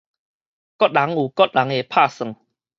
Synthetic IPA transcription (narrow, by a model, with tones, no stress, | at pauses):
kɔ˦˥t̚la˨˦ŋuː˨˩kɔ˦t̚la˨˦ŋe˨pʰa˥˧˨sɨ˨˩ŋ